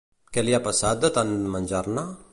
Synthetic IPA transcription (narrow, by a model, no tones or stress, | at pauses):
kelijapəsad̪ət̪anmand͡ʒarna